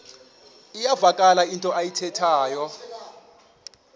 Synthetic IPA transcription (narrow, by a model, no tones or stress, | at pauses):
ijavakʼalaintʼɔajitʰɛtʰaːjɔ